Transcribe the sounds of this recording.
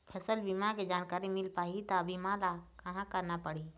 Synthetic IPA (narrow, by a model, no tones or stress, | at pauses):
pʰɛsəlbimaked͡ʒaːnkaːɾimɪlpaɦit̪ɔəbʱimãlakəɦãkəɾnapəɽ̤i